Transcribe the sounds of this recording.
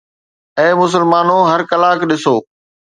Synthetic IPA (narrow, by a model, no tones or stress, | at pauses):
ɛ̃ːmʊs̬əlmaːnoɦɐɾkɐlaːkɗɪsoː